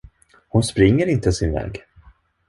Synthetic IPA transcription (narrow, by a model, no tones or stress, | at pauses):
hʊnspɾɪŋːəɾɪnt̪əsɪnvɛ̰ːɡ